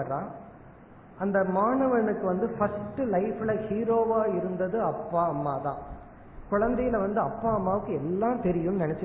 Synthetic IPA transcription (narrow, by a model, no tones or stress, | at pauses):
ɐɾãː | ɐnd̪ɐmaːɳɐʋɐnɯkːɯʋɐnd̪ɯfɐsʈɯlɐɪfɪlɐhiːɾoːʋaːɪɾɯnd̪ɐðɯɐpːaːɐmːaːt̪ã̰ː | kʊɻɐnd̪ɐjɪlɐʋɐnd̪ɯɐpːaːɐmːaːʋɯkːɯɛlːãːt̪ɛɾɪjɯmnɪnɛt͡ʃːɯ